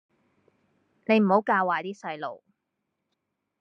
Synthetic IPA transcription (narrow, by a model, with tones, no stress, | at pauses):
ne˨˧jm̩˨˩ho˨˥wkaː˧waː˨jt̪iː˥sɐ˧jlo̰˨˩w